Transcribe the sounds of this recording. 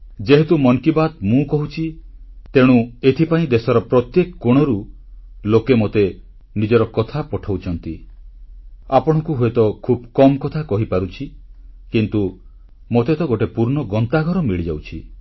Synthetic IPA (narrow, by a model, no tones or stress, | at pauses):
d͡ʒeɦet̪umɔŋkibat̪mũkɔɦut͡ʃʰit̪eɽ̃ũet̪ʰipaĩd̪esɔɾɔpɾɔt̪jekɔkoɽ̃ɔɾu | lokemot̪e | nid͡ʒɔɾɔkɔt̪ʰapɔʈʰawt͡ʃʰɔnt̪i | apɔɽ̃ɔ̃kuɦuet̪ɔkʰub̚kɔmɔkɔt̪ʰakɔɦipaɾut͡ʃʰikint̪u | mot̪et̪ɔɡoʈepuɾnɔɡɔnt̪aɡʱɔɾɔmiɭid͡ʒawt͡ʃʰi